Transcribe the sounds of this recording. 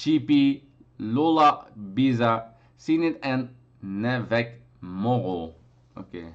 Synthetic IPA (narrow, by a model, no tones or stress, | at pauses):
t͡ʃipi | lolaʔbiza | sinit̪ɛ̃n | nɛvɛk | mɔʁo | o̰ke